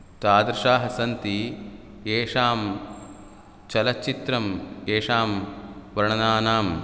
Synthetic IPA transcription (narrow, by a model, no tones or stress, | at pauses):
t̪aːd̪ɾɐʃaːɦɐsɐnt̪i | eːʂaːm | t͡ʃɐlɐt͡ʃːit̪ɾɐmeːʂaːmʋɐɾɐɳɐnaːnaːm